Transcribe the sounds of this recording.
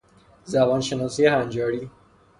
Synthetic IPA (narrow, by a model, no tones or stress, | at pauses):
zæbɒːnʃenɒːsijehænd͡ʒɒːɾiː